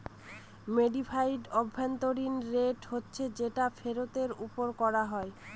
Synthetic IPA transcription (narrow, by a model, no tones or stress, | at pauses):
meɖifʰajɖɔbʱːent̪oɾinɾeʈɦotːɕʰed͡ʑeʈafʰeɾot̪eɾupoɾkɔɾaɦɔe